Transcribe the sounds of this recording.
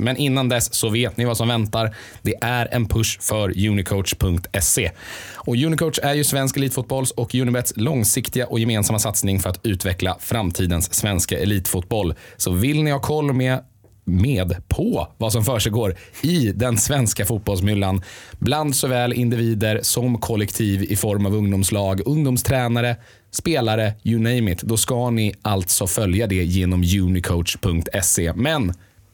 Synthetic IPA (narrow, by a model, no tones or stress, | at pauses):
mɛnɪnːand̪ɛsːɔveːt̪nɪvasɔmvɛnt̪aɾ | d̪̥ɛʔæɾɛ̰npʰɵʂfœɾjʉ̟ːnɪkʰoʊt̪ʂpʰɵŋkt̪ʰɛseɔjʉnɪkʰoʊt̪ʂæɾjɵsvɛnskɛliːt̪fʊːt̪̚bɔlsɔkjʉːnɪbɛt̪slɔŋsɪkt̪ɪɡaʔɔjɛmeːnsamːasat̪snɪŋfœɾat̪ʉ̟ːt̪vɛkla̰fɾamt̪ʰiːd̪ənsːvɛnskaʔɛliːt̪fut̪̚bɔlːsɔvɪlnɪhɑːkʰɔlːmeː | meːd̪pʰɔvasɔmfœːʂɛɡoːɾɪd̪ɛnsvɛnskafut̪̚bɔlsmʏlːanbland̪sɔvɛːlɪ̰nd̪ɪviːd̪əɾsɔmkʰɔlːɛkt̪ʰiːvɪfɔɾmavɵŋd̪ʊmslɑːɡɵŋd̪ʊmst̪ʰɾɛːnaɾə | speːlaɾəjʉnɛjmɪt̪ʰd̪ɔskanɪʔalt̪sɔfœljad̪ɛjeːnɔmjʉ̟ːnɪkʰoʊt̪ʂpʰɵŋk̚t̪ʰɛsemɛn